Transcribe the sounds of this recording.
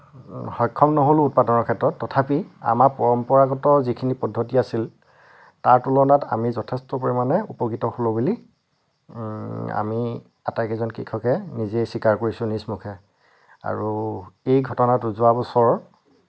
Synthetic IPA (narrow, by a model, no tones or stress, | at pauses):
hɔjkʰːɔmnɔɦolʊut̚padɔnɔɹkʰɛtɹɔtːɔtʰapia̰maɹpɔɹɔmpɔɹaɡɔtɔɹzikʰinipɔdʱːotiasil | taɹtulɔnatamizɔtʰɛstɔpoɹimanɛupɔkitɔholobuli | a̰mi | a̰takɛzɔnkikʰɔkɛnizejsikaɹkoɹisʊ̃nismukʰɛ | a̰ɹuejɡʱɔtɔnatʊzʊwabɔsɔɹ